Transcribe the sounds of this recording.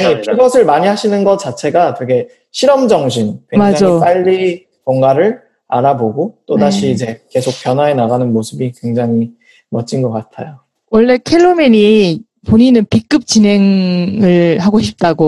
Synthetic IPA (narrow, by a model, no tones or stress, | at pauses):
ikɯɡʌsʰɯɭmaɲiɦaɕʰinɯnɡʌt͡ɕ͈at͡ɕʰe̞ɡatɯɡe̞ | ɕʰiɾʌmd͡ʑʌŋɕʰinkwemaad͡ʑoip͈aʎːi | koŋɡaɾɯɭ | a̰ɾaboɡot͈odaɕʰiːd͡ʑe̞ke̞sʰok̚p͈jʌnwae̞naɡanɯnmosʰɯbikwe̞ŋd͡ʑaŋi | mʌt͡ɕ͈inɡʌk͈atʰajo | wʌɭːe̞kʰeɭːomiɲi | poɲinɯnpik͈ɯp̚t͡ɕinɦe̞ŋɯɭɦaɡoɕʰip̚t͈aɡo